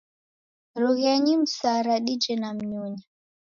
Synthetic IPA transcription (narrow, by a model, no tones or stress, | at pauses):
ɾuɣɛɲim̩saɾaɗid͡ʒɛnam̩ɲuɲa